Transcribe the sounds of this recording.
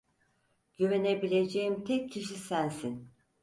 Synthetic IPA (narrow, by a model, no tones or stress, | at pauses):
ɟ̥yvenebilʲe̞d͡ʒejimt̪ʰɛcʰːiʃisænsin